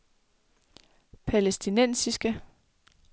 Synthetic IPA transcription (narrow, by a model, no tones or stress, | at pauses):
pʰælesd̥inen̰sisɡ̥ə